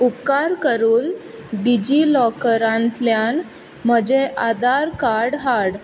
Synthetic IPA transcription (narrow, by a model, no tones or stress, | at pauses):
up̚kaɾkəɾuːnɖid͡ʑilɔkəɾãnt̪ljan | məd͡ʑeʔad̪aɾkaɾɽɦaɾɽ